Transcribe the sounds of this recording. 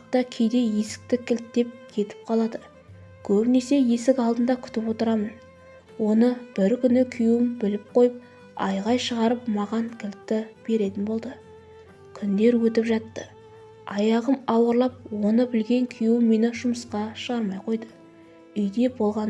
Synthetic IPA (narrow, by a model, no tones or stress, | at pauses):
t̪ɑkʲʰejd̪e̞je̞sɪ̥k̚t̪ɪkʲʰɪlt̪d̪e̞p̚kʲʰe̞t̪ɪ̥p̚qʰɑlˠɑd̪ə | kʲʰɵbne̞se̞je̞sɪkɑlˠd̪ənd̪ɑkʲʰʏ̥t̪ɪpwo̞t̪əɾɑmən | wo̞nəb̥ɪɾkʲʰʏnɪkʲʰʏjɪmbɪlɪp̚qʰo̞jəp̚ | ɑ̰jʁɑjʃəʁɑɾəpmɑʁɑŋkʲʰɪlt̪ːɪb̥e̞ɾe̞t̪ɪnbo̞lˠd̪ə | kʲʰʏnd̪e̞ɾwɵt̪ɪpʒɑt̪ːə | ɑjɑʁəmɑwəɾlˠɑp̚wo̞nəbɪlɡʲe̞ŋkʲʰʏjwɪmːe̞nɪʒʊməsqɑʃəʁɑɾmɑjqʰo̞jd̪ə | ʏjd̪e̞bo̞lˠʁɑ